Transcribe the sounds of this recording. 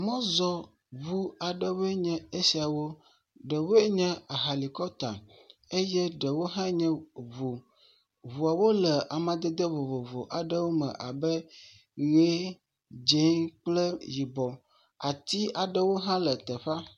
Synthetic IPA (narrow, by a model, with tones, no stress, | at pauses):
mɔ̃˦zɔ˨ | βu˦a˨ɖə˦wo˦e˦ɲɛ̃˦e˦si˨a˨wo˦ | ɖə˨wo˦e˦ɲɛ̃˦a˨ɦa˨li˨kɔ˦t̪a̰˨ | e˦jɛ˦ɖə˨wo˦ɦã˦ɲɛ̃˦vu˨ | βu˨a˨wo˦lə˨ʔa˨mã˨d̪ə˦d̪ə˦vo˨vo˨vo˨ʔa˨ɖə˦wo˦mə̰̃˨ʔa˨bə˦ | ɣe˦ | d͡ʒe˨˦k͡plə˦ji˨bɔ˨ | a̰˨t̪i˦a˨ɖə˦wo˦ɦã˦lə˨t̪ə˨ɸa˦